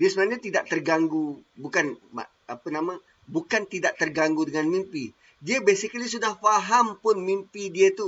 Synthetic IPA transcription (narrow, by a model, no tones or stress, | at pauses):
diəsəbənaɲat̪idaʔ̚t̪ərɡaŋɡubukanma̰ | apənamã | bukant̪idaʔt̪ərɡaŋɡudəŋanmimpi | diəbɛsikəlisudahfaɦampʊnmimpidiət̪u